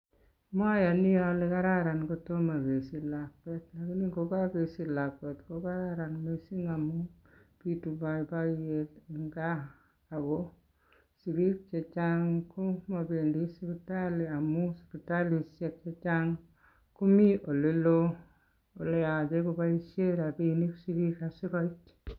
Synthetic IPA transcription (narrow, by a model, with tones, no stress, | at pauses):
ma˦ja˨ni˦ja˨le˦ka˦ɾa˦ɾa˨nko˦to˦ma˨be˨si˦la˨k̚e˦tla˨ki˦ni˦ko˦ka˦be˨si˨la˨kwe˨tko˦ka˦ɾa˦ɾa˨nme˦si˦ŋa˨mu˦pi˦tu˨ba˨˦ba˦je˨ti˨ŋɡaː˦˨ | ɡo˦ | si˨ɡi˦k̚t͡ʃe˨t͡ʃa˦ŋku˦ma˨be˨ndi˦si˦pi˨ta˦li˨a˨mu˦spi˨ta˦li˨se˨k̚t͡ʃe˦t͡ʃa˦ŋ | ku˦mi˦ʔo˨le˦lo˦ | o˨le˦ja˨d͡ʒe˦ko˦ba˦i˦ʃe˦ɾa˨bi˦ni˦ksi˦ki˦ka˨si˦ko˦i˦t